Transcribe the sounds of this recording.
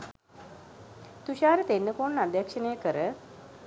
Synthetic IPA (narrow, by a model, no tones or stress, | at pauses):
t̪uʃaːɾət̪enːəkoːɳːad̪jakʂənəjəkəɾə